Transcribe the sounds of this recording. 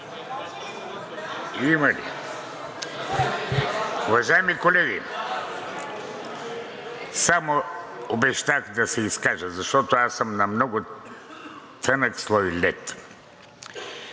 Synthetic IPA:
imɐlḭ | ʊvɐʒaɛmikolɛɡḭ | samoobɛʃt̪aɣd̪ɐsɛiskaʒəzɐʃt̪ɔt̪oasəmnɐmnɔɡʊ | t̪ɛnəkslˠɔjlʲɛt̪

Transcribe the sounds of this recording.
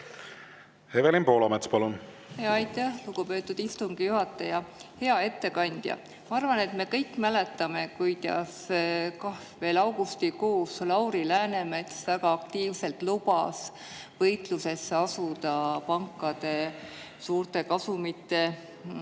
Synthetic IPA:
hevelinpo̞ːlɑmet̪spɑlun | heɑɑjt̪ːˑæhluɡ̥upø̞ːt̪ːˑud̪̥ist̪uŋɡ̥ijuɦɑt̪ːˑɑjɑhe̞ɑe̞t̪ːe̞kɑnʲd̪̥jɑ̰ | mɑɑrvɑne̞t̪me̞kɤjkːmæle̞t̪ːˑɑme̞kujd̪̥ɑ̰skɑ | ve̞ːlɑwɡ̥ust̪iko̞ːslɑwɾilæːne̞met̪svæɡ̥ɑɑk̚t̪iːvse̞lt̪lub̥ɑs | vɤjt̪luse̞sːeɑsud̪ɑpɑŋkːˑɑd̪̥e̞ | suːrt̪e̞kɑsumit̪ˑːe̞

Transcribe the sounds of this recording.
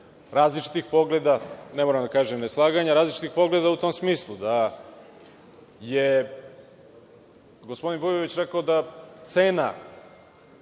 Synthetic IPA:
ɾaːzlit͡ʃi̥t̪ixpo̞ɡled̪anemoɾamd̪akaːʒemneslˠaːɡaɲaɾaːzlit͡ʃi̥t̪ixpo̞ɡled̪aut̪o̞msmiːslˠud̪a | je | ɡo̞spod̪inbojoʋit͡ɕɾekaod̪at̪seːna

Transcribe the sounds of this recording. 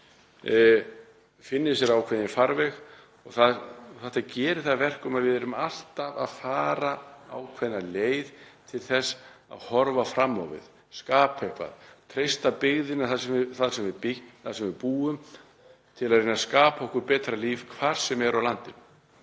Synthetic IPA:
fɪnːɪs̬jɛɾawkʰvɛðɪnfaɾvɛx | ɔɣθaðθaht̪acɛːɾɪ̥θaðvɛr̥kʏmaðvɪðɛɾʏmal̥t̪ava̰ðfaːɾaa̰wkʰvɛðnaleːjðt̪ʰɪlθɛsːa̰ðhɔɾvafɾamːɔ̰wvɪ̰ð | skaːpaɛhkva̰ðt̪ʰɾejst̪apɪɣðɪnaθasɛmθaðsɛmvɪðpɪθaðsɛmvɪpuːʏm | t̪ʰɪlaðrejnaskaːpaɔhkʏɾpɛːt̪ɾaliːvkʰvaɾ̥sɛmɛɾʔawlant̪ɪn

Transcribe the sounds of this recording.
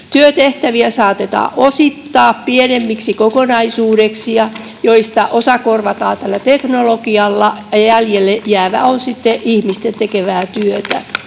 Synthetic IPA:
t̪yøt̪eht̪æʋiæsɑːt̪et̪ɑ̰ːʔosit̪ːɑːppienemːiksikokonɑisuːɾeksijɑ | joist̪ɑʔosɑkorʋɑt̪ɑːt̪ælːæt̪eknolokiɑlːɑjɑjæljelːejæːʋæ̰onsit̪ːeʔihmist̪ent̪ekeʋæːt̪yøt̪æ̰

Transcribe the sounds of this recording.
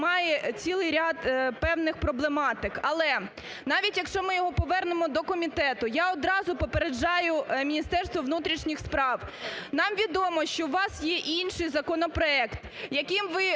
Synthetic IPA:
mɑjɛt͡sʲilˠɪjɾʲat̪pɛwnɪxpɾɔblˠemɑt̪ɪkɐlˠɛ | nɑʋʲitʲjɐkʃt͡ʃɔmɪjɔɦɔpɔʋɛrnemɔd̪ɔkɔmʲit̪ɛt̪ʊjaɔd̪ɾɑzʊpɔpeɾed͡ʒɑjʊmʲinʲist̪ɛrst̪ʋɔʋnut̪ɾʲiʃnʲixspɾɑwnɑmʋʲid̪ɔmɔʃt͡ʃɔʊʋɑsjɛʔinʃɪjzɐkɔnɔpɾɔɛkt̪jɐkɪmʋɪ

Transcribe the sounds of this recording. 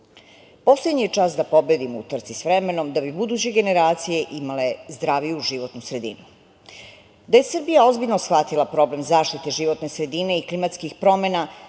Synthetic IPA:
po̞slˠed̪ɲijet͡ʂaːsd̪apo̞be̞d̪imṵt̪r̩t̪sisʋɾeme̞no̞md̪abibud̪uːt͡ɕeɡe̞ne̞ɾaːt̪sije̞ʔimale̞zd̪ɾaːʋijuʒiʋo̞t̪nusɾe̞d̪ḭnu | d̪aje̞srbijao̞zbiʎʲnosxʋat̪ilˠapɾo̞ble̞mzaːʃt̪it̪e̞ʒiʋo̞t̪nesɾe̞d̪ine̞iklimat̪skixpɾo̞mena

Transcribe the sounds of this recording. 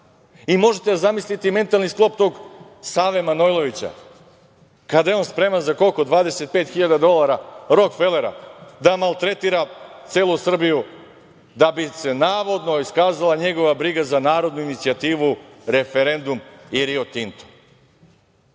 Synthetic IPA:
imo̞ʒet̪eazamislit̪ime̞nt̪alˠnisklˠo̞p̚t̪o̞ɡ | saːʋe̞manojlˠo̞ʋit͡ɕa̰ | kad̪ajeo̞nspɾe̞manzakokod̪ʋaːd̪e̞se̞t̪̚pet̪xiʎad̪ad̪o̞lˠaɾaɾo̞kfe̞leɾa̰d̪amalˠt̪ɾe̞t̪iːɾat̪seːlˠusr̩biju | d̪abise̞naːʋo̞d̪no̞iskaːzalˠaɲe̞ɡo̞ʋabɾiɡazanaːɾod̪nuinit̪siat̪iːʋuɾe̞feɾe̞nd̪umiɾiot̪int̪o̥

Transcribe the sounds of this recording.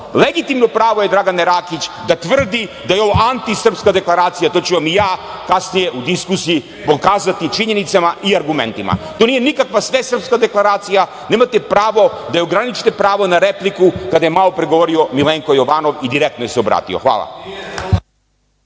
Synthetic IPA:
leɡit̪imnopɾaːʋo̞jed̪ɾaɡaneɾaːkit͡ɕd̪at̪ʋr̩d̪id̪ajeo̞ʋoʔant̪isr̩pskad̪e̞klˠaɾaːt̪sijat̪o̞t͡ɕuʋamijaː | kasnije̞ʔud̪iskusiji | pokaːzat̪it͡ʃiɲe̞nit̪samaiaɾɡumḛnt̪ima̰t̪oːnijenikakʋasʋesr̩pskad̪e̞klˠaɾaːt̪sija | neːmat̪epɾaːʋo̞d̪ajeoɡɾanit͡ʃi̥t̪epɾaːʋonaɾeplikukad̪ajemalˠo̞pɾeɡoʋo̞ɾio̞milˠeŋkojo̞ʋaːno̞ʋid̪iɾekt̪nojeseo̞bɾa̰ːt̪ḭo̰xʋa̰ːlˠa̰

